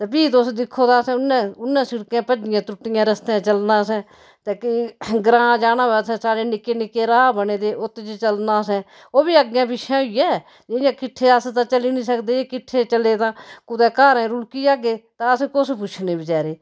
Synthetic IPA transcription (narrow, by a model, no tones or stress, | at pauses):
t̪eːpiːt̪osd̪ɪkʰːoːt̪aːsɛ̃ʊnːɛ̃ːʊnːɛ̃ːsɪɽkãːpəd͡ʒɪjãːt̪ʊʈːɪjãːɾəst̪ɛ̃ːt͡ʃəlnaːsɛ̃ː | t̪eːkiɡɾãːd͡ʒaːnaːɛːsɛ̃ːsaːɽeːnɪkeːnɪkeːɾaːabəneːd̪eːʔot̪ːeːd͡ʒet͡ʃəlnãːsɛ̃ː | oːbiːəɡjãːpɪʃʰãːʊijɛː | d͡ʒɪɪjãːkɪʈʰːeːast̪ãːt͡ʃəliːnĩːsəkd̪eːeːkɪʈʰːeːt͡ʃəleːt̪ãːkʊd̪ɛ̃ːkaːɾɛ̃ːɾʊlkiːaːɡeːt̪ãːəskʊspʊt͡ʃʰneːbiːd͡ʒɛːɾeː